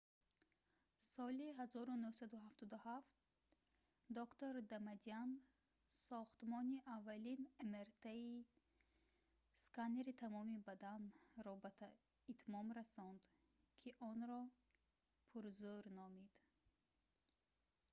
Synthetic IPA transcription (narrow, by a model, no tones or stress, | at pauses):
sɔliɦazɔɾunuhsad̪uhaft̪ɔd̪uhaft̪̚ | d̪ɔkt̪oɾd̪amad̪ian | sɔχt̪mɔniʔavːalinemeɾt̪ʰai | skaneɾit̪ʰamɔmibad̪anɾɔbat̪ʰ | it̪ʰmɔmɾasɔnd̪ | kʰiʔɔnɾɔ | pʰuɾzuɾnɔmid̪̥